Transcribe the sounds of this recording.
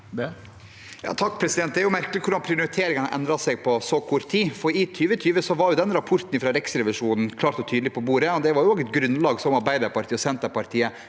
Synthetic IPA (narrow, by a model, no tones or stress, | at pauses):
jɑ̰ːt̪ʰɑk̚ːpʰɾɛsɪd̪ɛnt̪̚d̪ɛæɾjʊmæɾkəlɪkʰʊɾɖɑnpʰɾɪʊʊɾɪt̪ʰeːɾɪŋɑnəʔɛ̰nd̪ɾɑsɛɡpʰɔsoːkʰʊɾt̪ʰːiːfɔɾɪt̪ʰyːʋət̪ʰyːʋəsɔʋɑɾjʊd̪ɛnɾɑpʰʊɾt̪n̩ɪfɾɑːɾɛksɾɛʋɪʂuːnn̩kʰlɑːɾt̪ɔt̪ʰyːd̪əlɪpʰɔboːɾəɔd̪ɛʋɑɾjʊoːɡɛt̪ɡɾʉnlɑːɡsɔmɑɾbæɪd̪ɑɾpɑɾʈt̪ʰiːɔsɛnt̪əɾpɑɾt̪ʰiːə